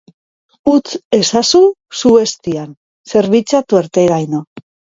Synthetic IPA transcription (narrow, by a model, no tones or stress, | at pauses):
ut͡se̞sasusue̞st̪ian | se̞ɾβit͡sat̪ueɾt̪eɾajno